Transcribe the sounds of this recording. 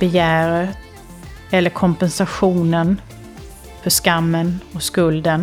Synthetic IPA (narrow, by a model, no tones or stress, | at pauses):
b̥ɛjæːɾət̪ | ɛlːəɾkʰɔmpɛnsaɧuːnən | fœʂkamːənɔskɵld̪ən